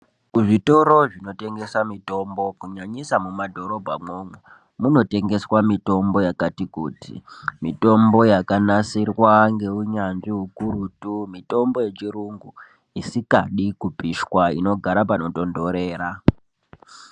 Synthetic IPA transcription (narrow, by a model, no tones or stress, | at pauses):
kuʐito̞ɾo̞ʐino̞te̞ŋɡe̞samito̞mbo̞kuɲaɲisamumadʱo̞ɾo̞bʱamome | muno̞te̞ŋɡe̞swamito̞mbo̞jakatikṵtʰḭmito̞mbo̞jakanasirwaŋɡe̞uɲanʐiɦukuɾutumito̞mbo̞je̞t͡ʃiruŋɡu | isikaɗikupiʃwaḭno̞ɡʱaɾapano̞to̞ndo̞ɾe̞ːɾa